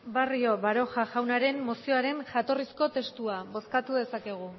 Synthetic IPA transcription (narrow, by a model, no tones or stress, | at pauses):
bario̞βaɾo̞xaʝawnaɾe̞mːo̞sio̞aɾe̞nʝat̪o̞risko̞t̪e̞st̪uaβo̞skat̪uðe̞sake̞ɣ̞u